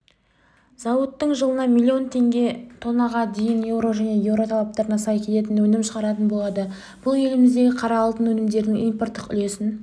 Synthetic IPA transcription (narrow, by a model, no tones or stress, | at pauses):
z̥ɑwət̪ːəɴʒəlˠənɑmilʲːio̞nt̪ʰe̞ŋɡʲe̞t̪ʰo̞nːɑʁɑd̪e̞jɪnje̞wɾo̞ʒæne̞je̞wɾo̞t̪ʰɑlˠɑp̚t̪ɑɾənɑsɑjkʲʰe̞t̪e̞t̪̬ɪnwɵnɪmʃəʁɑɾɑt̪ənbo̞lˠɑd̪ə | b̥ʊlˠje̞lɪmɪzd̪e̞ɡʲɪqʰɑɾɑːlˠt̪ənwɵnɪmd̪e̞ɾd̪ɪŋijmpo̞rt̪ːəqʏ̰le̞sɪn